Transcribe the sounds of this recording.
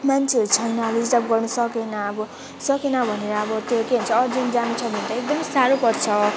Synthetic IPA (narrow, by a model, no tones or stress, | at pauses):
mant͡sʰet͡sʰajnalid͡zʈap̚ɡʌrnʌsʌkenʌːbʌ | sʌkenʌbʱʌneɾʌːbʌt̪jokeɦunt͡sʰʌːd͡zund͡zanut͡sʰʌbʱʌnd̪aek̚d̪ʌmisaɾopʌrt͡sʰʌ